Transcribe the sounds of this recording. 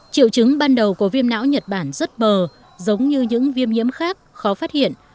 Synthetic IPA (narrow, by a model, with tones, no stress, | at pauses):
t͡ɕḭ˧˨wt͡ɕɨ˨˦ŋɓaː˧nɗə˨˩wkːvi˧əmna̰ː˧˥wɲə˨˩t̚ɓaː˧˩nzə˦˥t̚məː˨˩ | zə˨˦wŋ͡mɲɨ˧ɲɨ̰˧˥ŋvi˧əmɲḭ˧˥əmxaː˦˥k̚xɔ˨˦faː˦˥t̚hḭ˧˨ən